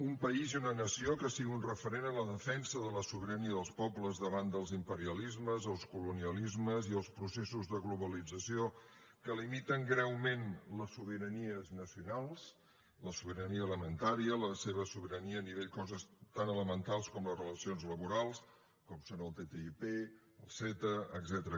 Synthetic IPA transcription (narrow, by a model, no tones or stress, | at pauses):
umpəiziunənəsiokasiɣiunrəfəɾenələðəfɛnsəðələsuβəɾəniəðəlˠspɔpləzðəβand̪əlˠzimpəɾiəlizməzəlˠskuluniəlizməziəlˠspɾusesuzðəɣluβəlid͡zəsio | kəlimit̪əŋɡɾɛwmenləsːuβiɾəniəznəsiunalˠs | ləsuβəɾəniəːləmənt̪aɾiələseβəsuβəɾəniəːniβeʎkɔzəst̪anələmənt̪alˠskɔmləzrələsionzləβuɾalˠs | kɔmsonəlˠt̪et̪eipe | əlˠsɛt̪əəɡzɛt̪əɾə